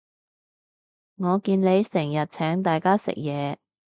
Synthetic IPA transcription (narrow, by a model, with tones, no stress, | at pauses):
ŋɔː˨˧kiː˧nle˨˧jsɛː˨˩ŋjɐ˨t̚t͡sʰɛː˨˥ŋt̪aː˨jkaː˥sɪ̰˨˩k̚jɛː˨˧